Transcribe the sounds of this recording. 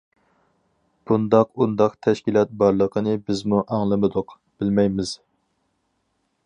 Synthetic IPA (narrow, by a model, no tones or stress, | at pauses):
b̥und̪ɑqund̪ɑqt̪ʰɛʃkʲilˠɑt̪̚bɑɾlˠəqʰənɨbɪzmuʔɑŋlˠɨmɨd̪ʊq | b̥ɪlmɛjmɪz̥